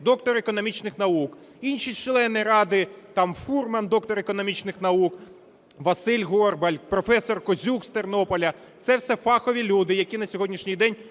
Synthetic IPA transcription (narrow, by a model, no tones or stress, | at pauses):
d̪ɔkt̪ɔɾekɔnɔmʲit͡ʃnɪxnɐuk | inʲʃit͡ʃlˠɛnːɪjɾɑd̪ɪt̪ɑmfurmɐnd̪ɔkt̪ɔɾekɔnɔmʲit͡ʃnɪxn̪ɐuk | ʋɐsɪlʲɦɔrbɐlʲpɾɔfɛsɔrkɔzʲukst̪ernɔpɔlʲɐ | t̪sɛwsɛfɑxɔʋʲilʲud̪ɪjɐkʲinɐsʲɔɦɔdʲnʲiʃnʲijd̪ɛnʲ